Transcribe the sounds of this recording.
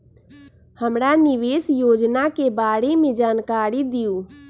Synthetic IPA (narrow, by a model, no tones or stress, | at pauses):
həmɾanɪʋesjoːd͡ʒnakebaːɽemẽd͡ʒaːnkaːɾid̪iju